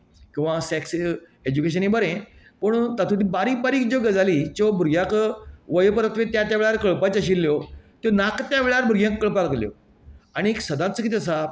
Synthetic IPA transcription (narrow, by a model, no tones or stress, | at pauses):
kĩw̃ʋasɛks | ed͡ʑukeɕ̬ənibəɾẽ | pəɳt̪at̪ʰut̪ibaɾiːk̚baɾiːkd͡ʑoɡəd͡zalit͡ɕbʱuɾɡjãkʋəjpəɾət̪ʰʋet̪jãt̪̬jaʋeɭaɾkəɭpat͡ɕaɕ̬ilːjot̪jonakt̪jaʋeɭaɾbʱuɾjãkːəɭpaləkljɔ̰ | aɽ̃ieksəd̪ãt͡səkit̪̬eəs̬a